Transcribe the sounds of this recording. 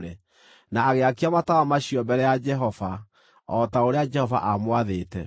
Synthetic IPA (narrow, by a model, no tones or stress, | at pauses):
ɾe | naːɣeakeamatawamaɕiɔbɛɾɛjad͡ʒɛɦɔva | ɔtaoɾead͡ʒɛhɔva̰ʔamwaðeːtɛ̰